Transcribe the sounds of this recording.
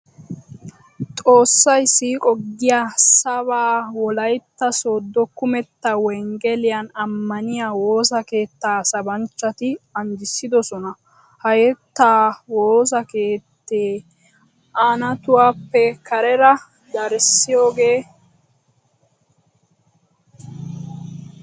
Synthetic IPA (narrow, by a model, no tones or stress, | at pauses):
t̪ʼo̞ːsːɐjsiːkʼɔɡːɪjaːsɐβaːwɔlɐjt̪ːɐsoːd̪ːɔkʊmɛt̪ːɐwɛŋɡɛlɪjanɐmːɐnɪjaːwo̞ːsɐke̞ːt̪ːaːsɐbɐnt͡ʃːɐt̪ɪɐnd͡ʒɪsːɪd̪ɔsɔnɐ | hɐjɛt̪ːaːwoːs̬ɐke̞ːt̪ːeː | aːnɐt̪ʊwaːpːɛkɐɾɛɾɐ | d̪ɐɾsːɪjo̞ːɡe̞ː